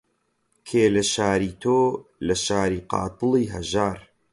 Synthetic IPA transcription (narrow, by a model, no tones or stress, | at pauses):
kʰeːlɐʃaːɾiːt̪ʰoːlɐʃaːɾiːqɑ̰ːt̪ɨlˠiːɦɐ̰ʒaːɾ